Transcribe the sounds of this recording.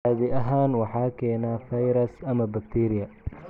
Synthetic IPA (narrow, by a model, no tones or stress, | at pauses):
aːðɪʔɐɦaːnwɑħɑːkʰɛːnaːfɐjɾɐsɐmɐbɐkt̪ʰiːɾɪjɐ